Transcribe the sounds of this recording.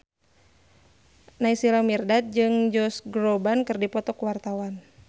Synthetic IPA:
naisilamirdat̪̚d͡ʒɨŋd͡ʒɔsɡɾɔbankɨrdipɔt̪ɔkuwart̪awan

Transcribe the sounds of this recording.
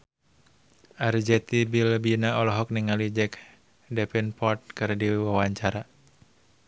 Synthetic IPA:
ʔard͡ʒɛt̪ibilbinaɔlɔɦɔk̚niŋalid͡ʒɛk | dɛpɛnpɔrt̪̚kɨrdiwawaɲt͡ʃaɾa

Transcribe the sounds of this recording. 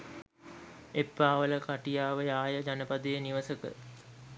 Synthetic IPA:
epːaːʋələkaʈijaːʋəjaːjəd͡ʒanəpad̪əjəniʋəsəkə̰

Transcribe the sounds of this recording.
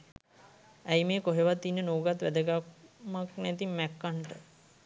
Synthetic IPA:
æjmeːkoɦeʋat̪ːinːənoːɡat̪ʋæd̪əɡamaknæt̪imːækːaɳʈə

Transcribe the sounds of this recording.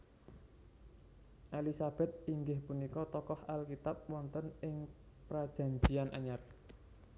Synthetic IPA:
ʔalisab̥ɛ̤t̪̚iŋɡɪhpunikɔt̪ɔkɔhalkit̪ap̚wɔnt̪ənɪŋ | pɾad̥ʒ̥a̤ɲd͡ʒianʔa̰ɲar

